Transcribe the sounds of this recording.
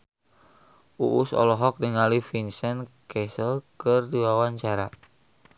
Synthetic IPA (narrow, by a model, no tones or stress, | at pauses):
ʔuʔusɔ̰lɔɦɔk̚diŋalifinsɛnkɛsəlkɨrdiwawaɲt͡ʃaɾa